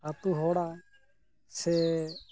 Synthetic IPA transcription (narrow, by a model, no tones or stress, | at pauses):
at̪uːɦoːɽaː | se